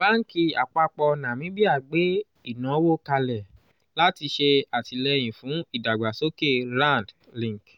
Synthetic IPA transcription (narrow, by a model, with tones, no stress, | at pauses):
ba˦ŋ̩˦ki˧a̰˨k͡pa˧k͡pɔ˧nã˨mĩ˨˦bi˦a˦˨ɡ͡be˨˦ | i˦˨nã˨˦wo˦ka˧lɛ˨ | la˦ti˧ʃe˧a˨ti˨˧lɛ˧j̃ĩ˨fũ˨˦i˦˨da˨ɡ͡ba˨so˦ke˦˨lã˦˨nd | lĩ˦˨ŋ˨k